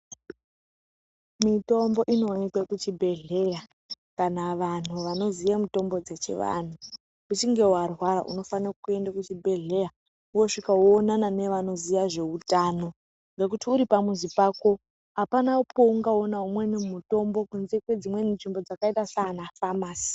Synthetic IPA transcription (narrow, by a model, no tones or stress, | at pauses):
mito̞mbo̞ʔino̞nikwekut͡ʃibʱe̞ɮe̞ja | kanaʋan̤uʋano̞zijamito̞mbod͡ze̞t͡ʃḛʋa̰n̤u | ut͡ʃiŋɡe̞warwaɾa̰ʔṵno̞fanakue̞ndakut͡ʃibʱe̞ɮe̞ja | uo̞ʂikawoːnanane̞ʋano̞zijaʐe̞utano̞ | ŋɡe̞k̬utiuɾipamuzipaːko̞ | ɦapanapʰo̞uŋɡaonaumwe̞nimuto̞mbo̞kunzekwe̞d͡zimwe̞ninʐimbo̞d͡zakaitasanafamaːsi̥